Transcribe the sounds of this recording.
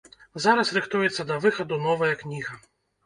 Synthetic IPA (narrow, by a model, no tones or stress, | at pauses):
zaɾɐsɾɨxt̪ujɛt̪sːɐd̪ɐvɨxɐd̪unɔvɐjɐknʲiɣɐ